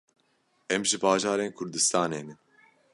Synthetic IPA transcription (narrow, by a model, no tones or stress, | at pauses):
ɛmʒɨbɑːʒɑːɾeːnkʰʊɾd̪ɨst̪ʰɑːneːnɨn